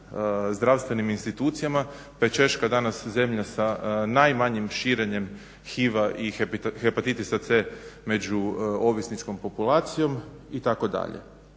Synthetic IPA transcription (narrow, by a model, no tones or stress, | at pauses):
zd̪ɾaʋst̪ʋe̞niminst̪it̪uːt̪sijama | pet͡ʃe̞ʃkad̪anasze̞mʎasanajmaɲimʃiːɾe̞ɲe̞m | xiʋaʔipxepat̪it̪isat̪seme̞d͡ʒuo̞ʋisnit͡ʃko̞mpo̞pulˠaːt̪sijo̞m | it̪ako̞d̪a̰ʎḛ